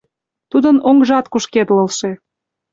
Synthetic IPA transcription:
t̪ud̪ənoŋʒɑt̪kuʃket̪lɤ̆lʃe

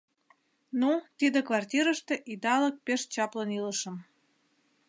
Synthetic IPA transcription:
nut̪id̪ĕkvɑrtʲiɾəʃt̪ĕʔid̪ɑlək̚peʃt͡ɕɑpləniləʃə̆m

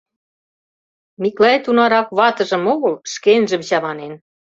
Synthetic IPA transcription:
miklɑet̪unɑɾɑkβɑt̪ɤ̆ʒə̆moɣɤlʃkenʒə̆mɕɑβɑnen

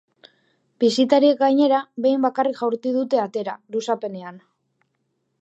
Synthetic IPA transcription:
bisit̪aɾiek̚ɡajɲe̞ɾaβe̞jmbakarikʝawɾt̪iðut̪e̞at̪e̞ɾalusape̞ne̞an

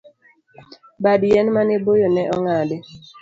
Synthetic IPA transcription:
badjɛnmanebojonɛʔɔŋadɪ

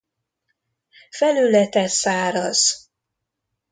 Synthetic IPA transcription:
fɛlylɛt̪ɛsaːɾɒz̥

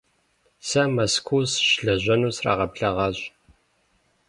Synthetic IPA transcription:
sɐmɐskʷʰuːsʃɮɐʑʷɐnuːsra̰ʁɐpɬɐʁɑːʑ

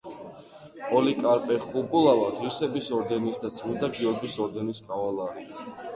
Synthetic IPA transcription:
ɔlikʼaɾpʼɛχubulˠavaʁiɾsɛbisɔɾd̪ɛnisd̪at̪sʼmind̪aɡiɔɾɡisɔɾd̪ɛniskʼavalˠaɾi

